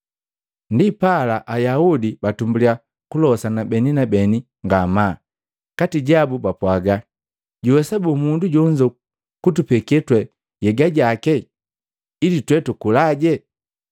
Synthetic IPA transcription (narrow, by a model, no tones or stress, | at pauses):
ndipalaʔajaudibatumbulia | kulɔsanabɛninabɛni | ŋɡama | katiɟabubapwaɡa | ɟuwɛsabumunduɟɔɲd͡ʒɔ | kutupɛkɛtwɛ | jɛɡaɟakɛ | ilitwɛtukulaɟɛ